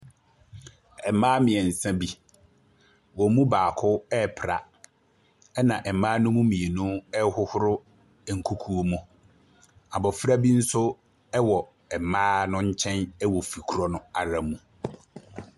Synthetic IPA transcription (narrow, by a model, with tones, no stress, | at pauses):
ɛ˨mãː˦mɪ̃˨ɛ˨n̩˨sã˦bi˦ | wɔ˨mũ˦baː˨kʰʊ˦ɛ˦˨pʰɾa̰˨ | ɛ˦nã˨ʔɛ˨mãː˦nʊ̃˦mũ˦mĩ˨e˨nũ˦ɛ˦hʊ˦hʊ˦ɾʊ˦ | ɛ˨ŋ̩˨kʰu˦kʰu˦o˦mũ˦ | a˨bɔ˨fɾa˦bi˦n̩˦sʊ˦ | ɛ˦wɔ˨ | ɛ˨mãː˦nʊ̃˦ɲ̩˦t͡ɕʰɛ̃˦nɛ˦wɔ˨fi˨kʰu˦ɾɔ˦nʊ̃˦a˨ɾã˨mũ˨